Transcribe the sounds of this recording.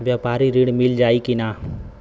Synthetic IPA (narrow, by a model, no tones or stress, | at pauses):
ʋjapaːɾiɾiɽmɪld͡ʒaːikinaː